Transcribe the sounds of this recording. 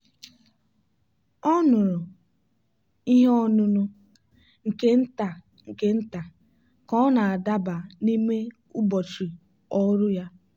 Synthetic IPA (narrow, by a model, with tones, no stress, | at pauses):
ɔ˦nʊ˨ɾʊ˨ | i˦ɦɔ˦nʊ˦nʊ˦ | ŋ̩˨ke˦n̩˦ta˨ | ŋ̩˨ke˦n̩˦ta˨ | kɔ˦na˨a˨da˦ba˨ni˦me˦ | u˦bɔ˨t͡ʃi˨ | ɔ˦ɾʊ˦ja˦